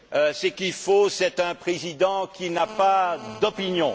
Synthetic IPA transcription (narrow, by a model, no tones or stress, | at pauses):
øsəkilfosɛt̪ɛ̃pχezid̪ɑ̃kʲinapad̪ɔpinjɔ̃